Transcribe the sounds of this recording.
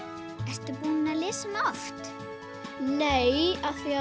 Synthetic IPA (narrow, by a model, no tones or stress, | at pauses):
ɛst̪ʏpuːnɪnalɪːsanaft̪ | nejaθia